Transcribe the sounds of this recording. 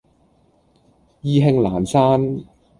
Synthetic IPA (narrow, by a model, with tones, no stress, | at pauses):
jiː˧ɦɪ˧ŋlaː˨˩nsaː˥n